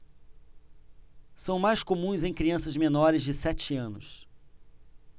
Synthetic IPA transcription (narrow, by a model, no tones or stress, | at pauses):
sɐ̃w̃majskomũj̃zẽj̃kɾiɐ̃sɐzmenɔɾɪzd͡ʒɪsɛt͡ʃɪɐ̃nʊ̰s